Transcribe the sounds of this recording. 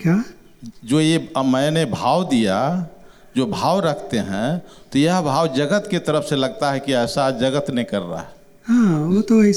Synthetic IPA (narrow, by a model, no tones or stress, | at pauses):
kja | d͡ʒojemɛ̃nebʱaːwd̪ija | d͡ʒobʱaːwɾəkʰt̪eɦɛ̰̃t̪ojəɦbʱaːwd͡ʒəɡət̪ket̪əɾəpʰseləɡ̚t̪aɦɛkiɛːsad͡ʒəɡət̪nẽkəɾːa̰ɦɛ | hãot̪o